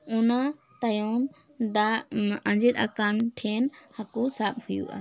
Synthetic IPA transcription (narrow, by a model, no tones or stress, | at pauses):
ɔna | t̪ajɔn | d̪aãnd͡ʒit̪̚a̰kanʈʰɛnhakusap̚hujṵʔa̰